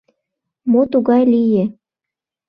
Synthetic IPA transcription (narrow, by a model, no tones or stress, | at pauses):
mot̪uɣɑjlije